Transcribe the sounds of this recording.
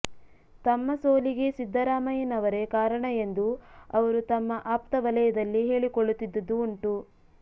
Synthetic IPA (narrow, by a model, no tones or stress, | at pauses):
t̪ɐmːɐsoːliɡe̞sid̪ʱːɐɾaːmɐjɐnɐʋɐɾe̞kaːɾɐɳɐe̞nd̪uɐʋɐɾut̪ɐmːɐʔaːpt̪ɐʋɐlɐjɐd̪ɐlːiɦe̞ːɭikoɭːut̪ːid̪ːɐd̪ːuːɳʈu